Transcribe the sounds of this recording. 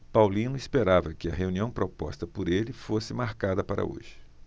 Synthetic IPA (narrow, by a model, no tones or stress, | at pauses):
pawlĩnʊispeɾavɐkɪɐɦeuniɐ̃w̃pɾopɔst̪ɐpoɾelɪfosɪmaɾkad̪ɐpaɾɐ̰o̰ʒɪ